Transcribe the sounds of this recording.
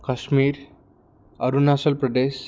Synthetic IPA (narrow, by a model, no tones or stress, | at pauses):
kəɕmiːɾ | əɾunasəlpɾəd̪es